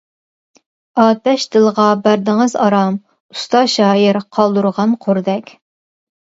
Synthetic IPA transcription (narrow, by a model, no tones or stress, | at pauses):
ɑːt̪ɛʃd̪̥ɨlˠʁɑbæɾd̪ɪŋəzɑɾɑm | u̥st̪ɑʃɑːjiɾqʰɑlˠd̪uɾʁɑnqʰoɾd̪ɛkʲ